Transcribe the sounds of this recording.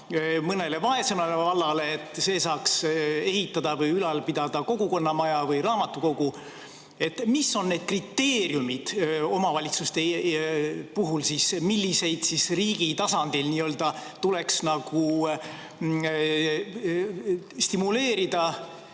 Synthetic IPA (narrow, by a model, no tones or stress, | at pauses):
mɤne̞le̞vɑe̞semɑlevɑlːɑle̞ːt̪ːˑse̞ːsɑːkse̞ɦit̪ˑːɑd̪ɑvɯjylɑlpid̪̥ɑd̪̥ɑko̞ɡuko̞nːɑmɑjɑvɯjɾɑːmɑt̪ːˑuko̞ɡ̥u | e̞t̪misːo̞nːe̞ːd̪̥̚krit̪ːe̞ːɾjumid̪̥o̞mɑvɑlʲit̪sust̪e | puɦulsismilʲːise̞jd̪̥sisriːɡit̪ɑsɑnd̪̥ilniøld̪̥ɑt̪ule̞ksnɑɡ̥u | st̪imule̞ːɾid̪̥ɑ